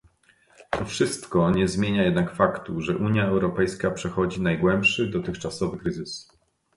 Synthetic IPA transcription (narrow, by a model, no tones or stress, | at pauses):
t̪ɔfʂɘst̪kɔɲɛzmʲjeɲajɛd̪̚nakfakt̪uʐɛʔuɲjaɛwɾɔpɛjskapʂɛxɔd͡ʑinajɡwɛmpʂɘd̪ɔt̪ɘxt͡ʂasɔvɘkɾɘzɘs